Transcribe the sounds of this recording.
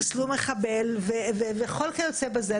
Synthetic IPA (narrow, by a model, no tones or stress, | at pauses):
slumeχabelveveveχolkejot͡sebaze